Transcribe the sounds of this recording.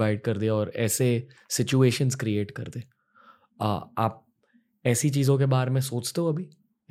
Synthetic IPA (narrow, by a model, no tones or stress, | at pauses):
aɪɖ̚kɐɾd̪iaɔːɾɛːsesɪt͡ʃueːʃənzkɾieːʈkɐ̰ɾd̪ẽː | a̰a̰ːp̚ | ɛːsit͡ʃiːzõk̬ebaːɾemẽsoːt͡ʃt̪eɦõɐbʱi